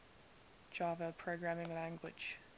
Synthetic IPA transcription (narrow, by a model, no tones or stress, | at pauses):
d͡ʒ̥ɑːvəpʰɹ̥əʊɡɹamɪ̃ŋlæ̃ŋɡwɪ̰̥d͡ʒ̥